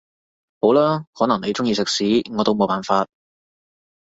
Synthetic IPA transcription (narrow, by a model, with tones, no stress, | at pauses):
ho˨˥wlaː˥hɔː˨˥nɐ˨˩ŋne˨˧jt͡sʊ˥ŋjiː˧sɪ˨k̚siː˨˥ŋɔː˨˧t̪o˥wmo˨˧wpaː˨˩nfaː˧t̚